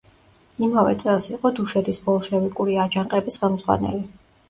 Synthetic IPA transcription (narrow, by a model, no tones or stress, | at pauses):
imavɛ̰t̪sʼɛlˠsiqʼɔd̪uʃɛd̪isbɔlˠʃɛvikʼuɾiad͡ʒaŋqʼɛbisχɛlˠmz̥ʁwa̰nɛ̰li